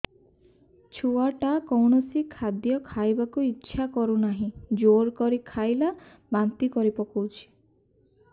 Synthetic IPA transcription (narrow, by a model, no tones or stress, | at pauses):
t͡ʃʰuaʈakɔwɳɔsikʰad̪jɔkʰajbakuitːʃʰakɔɾunaɦĩd͡ʒoɾkɔɾikʰajla | bant̪ikɔɾipɔkowt͡ʃʰi̥